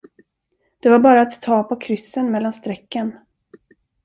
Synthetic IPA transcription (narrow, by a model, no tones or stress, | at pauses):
d̪̥ɛvaɾbɑːɾaːt̪ʰːɑːpʰɔkʰɾʏsːənmɛlːanst̪ɾɛkːən